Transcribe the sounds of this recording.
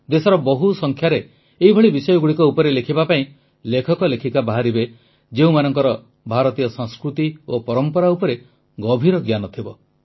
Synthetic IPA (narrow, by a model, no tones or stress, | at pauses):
d̪esɔɾɔbɔɦusɔŋkʰjaɾe | eɦibʱɔɭibisɔjɔɡuɽikɔupɔɾelekʰibapaĩ | lekʰɔkɔlekʰikabaɦaɾibe | d͡ʒeũmanɔŋkɔɾɔ | bʱaɾɔt̪ijɔsɔŋskɾut̪iopɔɾɔmpɔɾaupɔɾe | ɡɔbʱiɾɔɡjanɔt̪ʰibɔ